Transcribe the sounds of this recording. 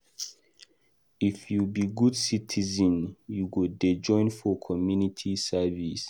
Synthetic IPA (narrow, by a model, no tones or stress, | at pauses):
ifjubiɡudsitʰizɔ̃njuɡudɛd͡ʒɔ̃ɪ̃nfɔkʰɔmjunitʰisɛvis